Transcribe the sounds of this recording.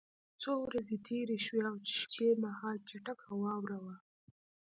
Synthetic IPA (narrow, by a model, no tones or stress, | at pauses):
t͡sowɾazet̪ʰeɾeʃweawt͡ʃɪ̥ʃkʰemahɑlt͡ʃaʈakawɑwɾawa